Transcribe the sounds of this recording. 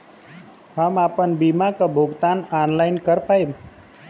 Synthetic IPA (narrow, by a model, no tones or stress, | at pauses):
ɦamapənbimakabʱuɡt̪ananlajnkəɾpajm